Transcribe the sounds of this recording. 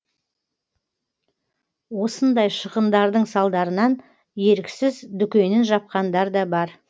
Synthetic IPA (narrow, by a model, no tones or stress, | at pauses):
wo̞sənd̪ɑjʃəʁənd̪ɑɾd̪əɴsɑlˠd̪ɑɾənɑn | je̞ɾɪkʲsɪzd̪ʏkʲe̞nɪnʒɑp̚qɑnd̪ɑɾd̪ɑbɑɾ